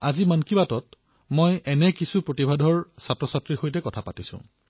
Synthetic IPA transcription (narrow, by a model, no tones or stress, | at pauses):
azimankibatɔt̚ | mojʔɛnɛkisupɹotibʱadʱɔɹsatɹɔsatɹixojtɛkɔtʰapatisʊ̰̃